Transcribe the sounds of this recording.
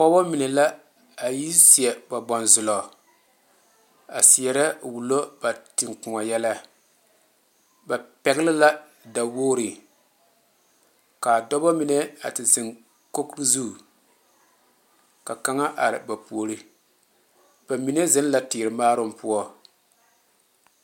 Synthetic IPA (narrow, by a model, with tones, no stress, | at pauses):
kɔ˦bɔ˦mi˨nɛ˨la˦ | a˨ji˦si˨ɛ˨ba˨bɔ˨nzʊ˨lɔ˨ | a˨si˨ɛ˨ɾa˦wu˨lo˦b̥a˨tɪ˨ŋkʊ˨ŋɔ˨jɛ˦la˦ | ba˨pɛ˨ɡɪ˦lɪ˦la˦ | da˨woː˦ɾɨ˨ | ka˨dɔ˦bɔ˦mi˨nɛ˦a̰˨tɪ˨sɨ˨ŋ | ko˦kɾɨ˦zu˦˨ | ka˨ka˦ŋa˦ʔa̰˨ɾɪ̰˨ba˨pu˨o˨ɾɨ˦ | b̥a˨mi˨˦nɛ˦zɨ˦n˦la˦tɪː˨ɾɨ˨maː˦ɾʊ˦m˦pʊ˦ɔ˦